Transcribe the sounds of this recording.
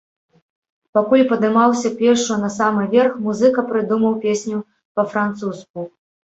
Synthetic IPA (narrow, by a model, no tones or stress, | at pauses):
pakulʲpɐd̪ɨmawsʲɐpʲɛʂunɐsamɨvʲɛrxmuzɨkɐpɾɨd̪umɐwpʲesʲnʲu | pɐfɾant̪susk̚u